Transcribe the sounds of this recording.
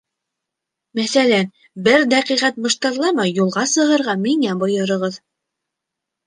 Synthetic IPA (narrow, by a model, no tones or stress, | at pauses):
mæθælæn | bɘɾd̪æqiʁæt̪̚mŏʃt̪ɑɾlˠɑmɑjːulˠʁɑsɤ̆ɦɤ̆ɾʁɑmiŋæbŏjɤ̆ɾɤ̆ʁɤð